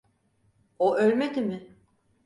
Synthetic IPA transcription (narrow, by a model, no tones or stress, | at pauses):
oʔølʲmed̪imɪ